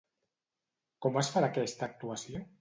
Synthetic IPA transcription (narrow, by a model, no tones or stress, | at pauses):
kɔmasfaɾakɛst̪aːk̚t̪uasjo